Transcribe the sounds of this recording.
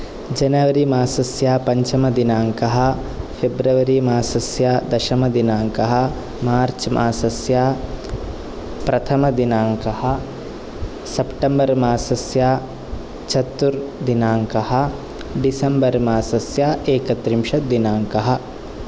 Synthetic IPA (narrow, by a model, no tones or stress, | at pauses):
d͡ʒɐnɐʋɐɾimaːsɐsjaːpɐɲt͡ʃɐmɐd̪inaːŋkɐɦɐ̆ | pʰebɾɐʋɐɾimaːsɐsjaːd̪ɐʃɐmɐd̪inaːŋkɐɦɐ̆ | maːɾt͡ʃmʔaːsɐsjaː | pɾɐt̪ʰɐmɐd̪inaːŋkɐhɐ̆ | sɐpʈɐmbɐɾmaːsɐsjaː | t͡ʃʰɐt̪ːuɾd̪inaːŋkɐɦɐ̆ | ɖisɐmbɐɾmaːsɐsjaːʔeːkɐt̪ɾimʃɐd̪inaːŋkɐɦɐ̆